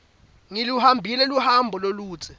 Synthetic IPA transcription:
ŋiluhambʱilɛluhambʱɔloluːt͡sʰʼɛ

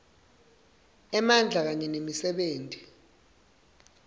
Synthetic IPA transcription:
ɛmand͡ɮʱak̬aɲɛnemisɛɓeːntʼi̥

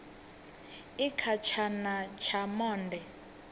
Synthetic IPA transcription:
ikʰat͡ʃʰanat͡ʃʰamɔːndʱɛ

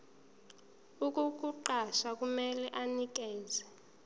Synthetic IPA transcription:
uk̬ʼuk̬ʼuǃaʃak̬ʼumɛlɛʔanik̬ɛːzɛ

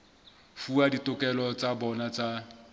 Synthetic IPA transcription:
fuaditʼʊkʼɛlɔt͡sʼabɔnat͡sʼa

